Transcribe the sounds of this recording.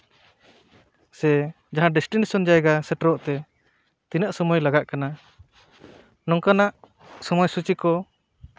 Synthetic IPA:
sɛ | d͡ʒaɦãɖɛsʈinisɔnd͡ʒajɡasɛʈɾɔʔt̪ɛ | t̪inaʔsɔmɔjlaɡaʔkana | nɔŋkanaʔ | sɔmɔjsut͡ʃikɔ

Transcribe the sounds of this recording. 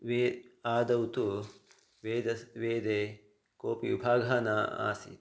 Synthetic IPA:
ʋeːaːd̪ɐwt̪u | ʋeːd̪ɐʋeːd̪e | koːpiubʱaːɡʱaːnaa̰ːsḭ

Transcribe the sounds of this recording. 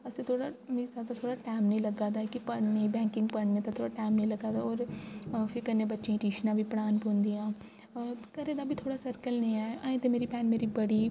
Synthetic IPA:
əsĩːt̪ʰoːɽaːmẽːzaːd̪aːt̪ʰoːɽaːʈɛːmnĩːləɡaːd̪aːkɪpəɽneːbɛ̃ːŋkɪ̃ŋɡpəɾneːt̪aːt̪ʰoːɽaːʈɛːmnĩːləɡaːd̪aːɔːɾpʰɪɾkənẽːbətːʃẽːʈiːʃnãːbʱiːpəɽaːnpõːnd̪iːãː | kəɾẽːd̪aːbʱiːt̪ʰoːɽaːsəɾkəlnĩːɛːʔaːẽːt̪eːmeːɾiːpɛːnmeːɾiːbəɽiː

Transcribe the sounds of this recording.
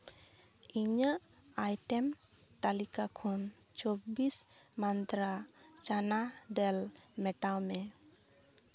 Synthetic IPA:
iɲaʔ | ajʈɛmt̪alikakʰɔn | t͡ʃɔbismant̪ɾat͡ʃanaɖɛlmɛʈawmɛ

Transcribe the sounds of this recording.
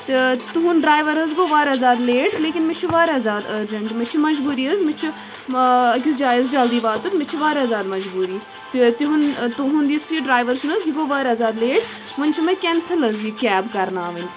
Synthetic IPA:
t̪et̪uɦʊnɖɾaːjʋəɾɦɐzɡoːʋaːɾɐːzaːd̪leːʈleːkʲɪnmɪt͡ʃʰiʋaːɾzaːd̪ɐd͡ʒɐɳʈmɪt͡ʃʰimɐd͡ʒbuːɾiːɐzmɪt͡ʃʰi | ɐk̬isd͡ʒaːɪzd͡ʒɐld̪iːbaːt̪ut̪mɪt͡ʃʰiʋaːɾɐːzaːd̪mɐd͡ʒbuːɾiː | t̪t̪iɦʊnt̪uɦʊnd̪ist̪iiɖɾaːjʋəɾsunɐziɡoːʋaːɾɐzaːd̪leːʈ | mʊnʲt͡ʃʰimɛ̃kʲɛːnsəlɐzikɛːbkɐɾnaːʋənʲ

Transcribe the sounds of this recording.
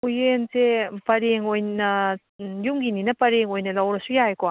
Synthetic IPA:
ujensepɐɾeŋojnɐ | jumɡininɐpɐɾeŋojnɐlɐwɾɐsujajko

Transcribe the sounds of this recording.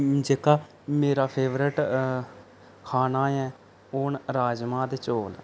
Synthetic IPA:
d͡ʒeːkaː | meːɾaːpʰeːʋɾɪʈ | kʰaːnaːɛː | oːnɾaːd͡ʒmãːd̪et͡ʃoːl

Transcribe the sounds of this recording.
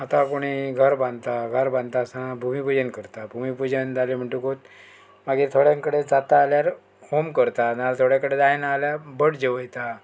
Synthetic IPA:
at̪akoɽ̃iːɡʱəɾbãnd̪t̪aɡʱəɾbãnt̪asãbʱumipud͡ʑənkəɾt̪abʱumipud͡ʑənd͡zalem̤əɳʈ̪ukot̪̚ | maɡiːɾt̪ʰoɽjãŋkəɽed͡zat̪aːljaɾ | homkəɾt̪analt̪ʰoɽjãkəɽed̪ajnaaljabəʈd͡ʑeʋəjt̪a

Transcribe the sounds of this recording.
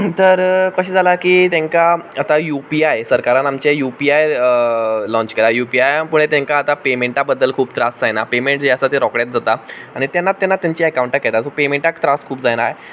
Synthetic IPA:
t̪əɾkəɕiːd͡zʱalakiːt̪ẽŋkaat̪ajupiajsəɾkaɾanamt͡ɕejupiajəlɔ̃ɲt͡ɕkeɾajupiajapuɽ̃et̪jẽŋkaːt̪apemeɳʈabəd̪ːəlkʰuːbt̪ɾasd͡zajnapemeɳʈd͡ʑiasat̪eɾɔkɽjat̪̚d͡zʱat̪aaɽ̃it̪janːat̪janːat̪jaɲt͡ɕiːəkawũɳʈakːɛt̪asopemeɳʈakt̪ɾaskʰuːpd͡zajnaj

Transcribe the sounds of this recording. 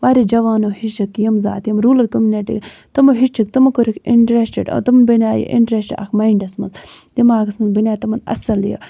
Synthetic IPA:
ʋaːɾid͡ʒɐʋaːnohit͡ʃɐkːjɐmza̰ːt̪jɐmɾuːlɐlkomjuneʈḭ | t̪ɐmɐɦit͡ʃɐk̚t̪ɐmɐkoɾikiɳʈɾesʈḛɖ̰t̪ɐmnbinʲaːjḭʔḭɳʈɾesʈa̰kʰmaiɳɖɐsmɐnz | d̪imaːɡɐsmɐnbɐnʲaːt̪ɐmɐnɐ̰sɐljɐ̰

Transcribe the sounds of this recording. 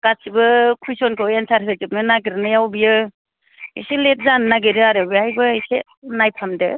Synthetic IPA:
kasibɯkʰujsɔnkʰɯwensaɾʰietip̚nɯnaɡiɾɯnɯjawbijɯ | ḭselet̚zannaɡeɾɯaɾabiajbɯise | najpʰamdɯ

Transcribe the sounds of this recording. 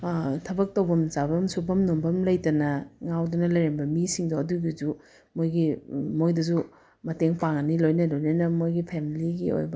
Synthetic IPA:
tʰɐbɐk̚tɐwbɐmzabɐmsubʰɐmnombɐmlɐjtɐnɐŋawdunɐlɐjɾembɐmisiŋdoɐduɡizu | mojɡimojdɐzu | mɐteŋpʰaŋɐnilojnɐlojnɐnɐmojɡipʰemiliɡḭo̰jbɐ

